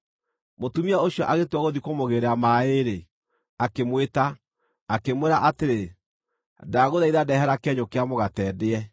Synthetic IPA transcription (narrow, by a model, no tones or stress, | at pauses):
motumiaoɕiɔʔaɣetwaɣoðikomoɣeɾeamaeɾe | akemweta | akemweɾaʔateɾe | daɣoðaiðadɛɦɛɾakɛɲokeamoɣatɛːdeɛ